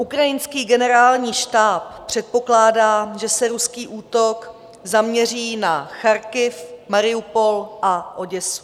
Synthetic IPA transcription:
ʔukɾajɪnskiːɡɛnɛɾaːlɲiːʃt̪aːp̚pːr̝̥ɛt̪̚po̞klaːdaːʒɛsɛɾuskiːʔuːt̪o̞k | zamɲɛriːnaxaɾkɪfmaɾɪupo̞lʔaʔo̞ɟɛsu̥

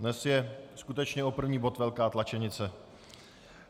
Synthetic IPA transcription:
nɛsjɛskut̪ɛt͡ʃɲɛʔo̞pr̩vɲiːbo̞t̪vɛlkaːt̪lat͡ʃɛɲɪt͡sɛ

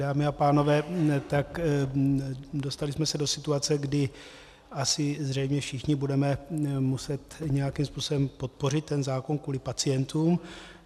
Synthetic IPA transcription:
daːmɪapaːno̞vɛːt̪ak | do̞st̪alɪsmɛsɛdo̞sɪt̪uat͡sɛɡdɪ | ʔasɪzrɛjmɲɛfʃɪxɲɪbudɛmɛmusɛt̪ɲɛjakimspuːsobɛmpo̞t̪̚po̞rɪt̪ːɛnzaːkonkuːlɪpat͡sɪjɛnt̪uːm

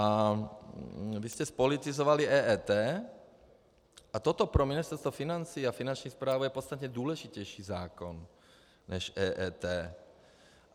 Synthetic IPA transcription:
a | viscɛspolit̪izovaliʔɛːʔɛːt̪ɛː | ʔat̪ot̪opɾominist̪ɛɾst̪vafinant͡siːafinant͡ʃɲixspɾaːvujɛpot̪t͡sst̪at̪ɲɛd̪uːlɛʒicɛjʃiːzaːkon | nɛʃʔɛːʔɛːt̪ɛː

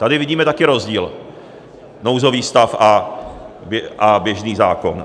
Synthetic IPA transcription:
t̪adɪvɪɟiːmɛt̪akɪɾozɟiːl | nowzo̞viːst̪afʔa | bɛʔabjɛʒniːzaːkon

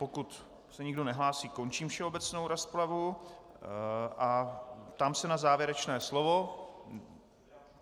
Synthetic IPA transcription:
pokut̪ | sɛɲɪɡdo̞nɛɦlaːsiːko̞nt͡ʃiːmfʃɛo̞bɛt͡snowɾasplavu | ʔapt̪amsɛnazaːvjɛɾɛt͡ʃnɛːslovo̞

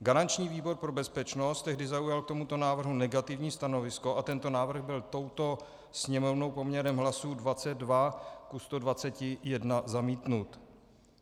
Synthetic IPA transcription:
ɡaɾant͡ʃɲiːviːbo̞ɾpɾo̞bɛspɛt͡ʃno̞st̪ɛɦdɪzaujalk̚t̪o̞mut̪onaːvr̩ɦunɛɡat̪ɪvɲiːst̪ano̞vɪsko̞ʔat̪ɛnt̪o̞naːvr̩ɣbɪlt̪o̞wt̪o̞ | sɲɛmo̞vno̞wpo̞mɲɛɾɛmɦlasuːdvat͡sɛd̪̚dvakust̪o̞dvat͡sɛcɪjɛdnazamiːt̪nut̪

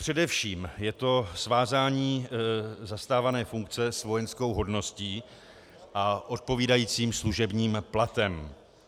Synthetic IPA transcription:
pr̝̥ɛdɛfʃiːmjɛt̪o̞svaːzaːɲiː | zast̪aːvanɛːfuŋkt͡sɛsvo̞jɛnsko̞wɦo̞dno̞sciː | ʔaʔo̞t̪̚po̞viːdajiːt͡siːmsluʒɛbɲiːmplat̪ɛm

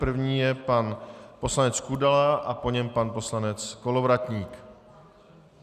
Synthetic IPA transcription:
pr̩vɲiːjɛpanpo̞slanɛt͡skudalaʔapo̞ɲɛmpanpo̞slanɛt͡skolovɾat̪ɲiːk

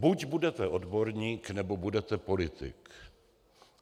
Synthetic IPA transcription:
buɟbudɛt̪ɛʔodbo̞ɾɲiːknɛbo̞budɛt̪ɛpo̞lɪt̪ɪ̰k

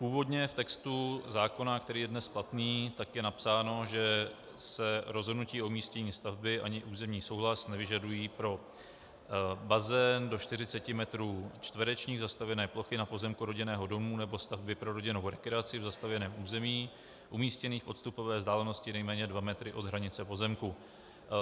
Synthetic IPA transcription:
puːvo̞dɲɛft̪ɛkst̪uzaːko̞nakt̪ɛɾiːjɛdnɛsplat̪niːt̪akjɛnapsaːno̞ʒɛ | sɛɾozɦodnuciːoumiːscɛɲiːst̪avbɪʔa̰ɲɪʔuːzɛmɲiːso̞wɦlasnɛvɪʒadujiːpɾo̞ | bazɛndo̞t͡ʃt̪ɪrɪt͡sɛcɪmɛt̪ɾuːt͡ʃt̪vɾɛt͡ʃɲiːɣzast̪avjɛnɛːplo̞xɪnapo̞zɛmkuɾo̞ɟɪnɛːɦo̞do̞munɛbo̞st̪avbɪpɾo̞ɾo̞ɟɪnowɾɛkɾɛat͡sɪvzast̪avjɛnɛːmʔuːzɛmiː | ʔumiːscɛniːxfʔo̞t̪st̪upo̞vɛːzdaːlɛno̞scɪnɛjmɛːɲɛdvamɛt̪ɾɪʔo̞d̪ɦɾaɲɪt͡sɛpo̞zɛmku

